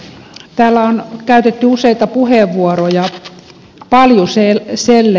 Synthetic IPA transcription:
t̪æːlːæonkæyt̪et̪ːyuseit̪ɑpuheˑʋːuorojɑ | pɑljuseselːe

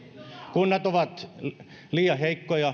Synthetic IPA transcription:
kunːɑt̪oʋɑt̪ | liːjɑheikːojɑ

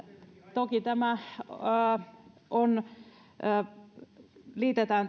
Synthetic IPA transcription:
t̪okit̪æmæ | ʔonː | liːt̪et̪æːn

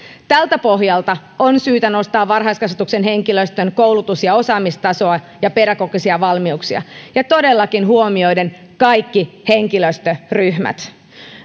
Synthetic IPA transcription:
t̪ælt̪æpo̞ɦjɑlt̪ɑ | onsyːt̪æno̞st̪ɑːʋːɑrɦɑjskɑsʋet̪uksenɦe̞ŋkiløst̪ønkowlut̪usjɑo̞sɑːmist̪ɑso̞ɑ | jɑpeɾækokisiɑʋɑlmiuksiɑ̰jɑt̪o̞delːɑkinɦuomio̞jden | kɑjkːihe̞ŋkiløst̪øryhmæ̰t̪

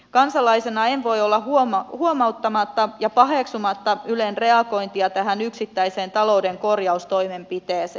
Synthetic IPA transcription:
kɑnsɑlɑisenɑenʋo̞jolːɑhuhuomɑut̪ːɑmɑt̪ːɑjɑpɑɦeksumɑt̪ːɑylenre̞ɑko̞int̪iɑt̪æɦænyksit̪ːæiseːnt̪ɑloudeŋko̞rjɑust̪o̞ime̞mpit̪eːse

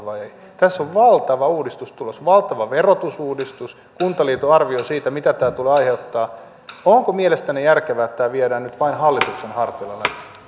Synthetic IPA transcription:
ʋɑei | t̪æsːoʋʋɑlt̪ɑʋɑuːdist̪ust̪ulosʋɑlt̪ɑʋɑʋerot̪usuːdist̪us | kunt̪ɑliːt̪oɑrʋiosiːt̪æmit̪æt̪æːt̪uleɑiheut̪ːɑː | oŋkomielest̪ænejærkeʋæːt̪ːæːʋiedæːnnyt̪ʋɑinhɑlːit̪uksenhɑrt̪ilɑlːˑe

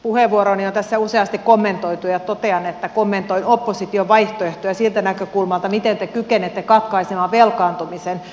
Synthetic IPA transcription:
puheʋʋuoɾoniont̪æsːæuseɑst̪ikkomːent̪oit̪ujɑt̪ot̪eɑnet̪ːækomːent̪oinopːosit̪ioʋʋɑiht̪oeht̪ojɑsilt̪ænækøkulmɑlt̪ɑmit̪ent̪ekykenet̪ːekɑt̪kɑisemɑʋʋelkɑːnt̪umisen

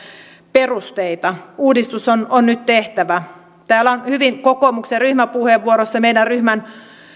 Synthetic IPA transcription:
perust̪eit̪ɑuːdist̪usononnyt̪t̪eht̪æʋæ | t̪æːlːæonhyʋiŋkokomukseryhmæpuheʋːuoɾosːɑmeidærryhmæn

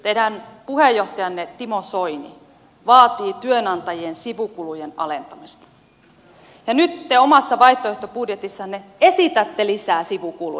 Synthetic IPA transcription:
t̪eidænpuhejːoht̪ɑjɑnːet̪imosoinḭ | ʋɑːt̪iːt̪yønɑnt̪ɑjiensiʋukulujenɑ̰lent̪ɑmist̪ɑ̥ | jɑnyt̪ːeomɑsːɑʋɑiht̪ːoeht̪opudjet̪isːɑnːeesit̪æt̪ːelisæːsiʋukulṵ

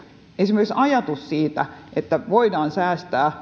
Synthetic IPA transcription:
ensimeˑrksɑjɑt̪ussiːt̪æʔet̪ːæʋoidɑːnsæːst̪æː

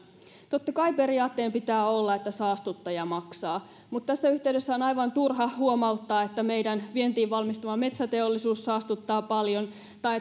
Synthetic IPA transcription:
t̪ot̪ːɑkɑipe̞ɾiɑːt̪ːeːmpit̪æːolːɑe̞t̪ːæsɑːst̪ut̪ːɑjɑmɑksɑː | mut̪t̪æsːæyçt̪eydesːæonɑjʋɑnt̪urɦɑhuomɑut̪ːɑːet̪ːæmejdænʋient̪iːʋʋɑlmist̪uʋɑmet̪sæt̪e̞olːisuːssɑːst̪ut̪ːɑːpɑljon | t̪ɑ

